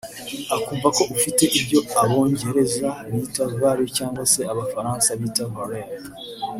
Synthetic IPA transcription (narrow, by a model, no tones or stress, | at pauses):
akuvako̞ʔufite̞ʔibɟo̞aβo̞ːɲɟe̞ɾe̞zaβiːtavaːɾicaːŋɡwase̞aβafaɾãːnsaβiːtavaɾeɾ